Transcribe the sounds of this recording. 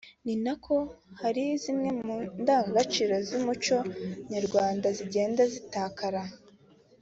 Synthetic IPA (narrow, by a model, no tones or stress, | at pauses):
ninakʰo̞haɾizimɲe̞mundaːŋɡat͡ʃiɾo̞zimut͡ʃo̞ɲaɾɡwaːndaziɟe̞ːndazitaːkaɾa